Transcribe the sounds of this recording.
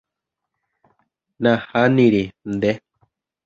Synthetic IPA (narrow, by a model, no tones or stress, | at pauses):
nãhanĩɾind̪e